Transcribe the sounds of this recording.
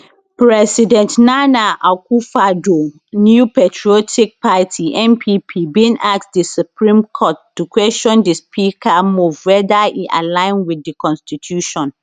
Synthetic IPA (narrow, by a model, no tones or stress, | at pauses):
pɹɛsidɛ̃ntnanaʔakʰufado | njupetʰɹiɔtʰik̚pʰatʰiʔɛ̃mpʰipʰibĩnak̚tdisupɹĩmkʰɔt̚d̥ukʰwɛʃɔ̃ndispʰikʰamuvwɛdaiʔa̰lãɪ̃nwidːikʰɔ̃nstitʰjuʃɔ̃n